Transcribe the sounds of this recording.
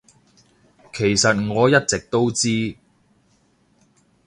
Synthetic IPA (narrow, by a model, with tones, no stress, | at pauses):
kʰe˨˩jsɐ˨t̚ŋɔː˨˧jɐ˥t̚t͡sɪ˨k̚t̪o˥wt͡siː˥